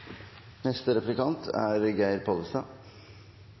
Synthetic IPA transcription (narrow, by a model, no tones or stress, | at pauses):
nɛst̪əɾɛplɪkɑnt̪ʰæ̰ɾɡæɪɾpʰɔləst̪ɑ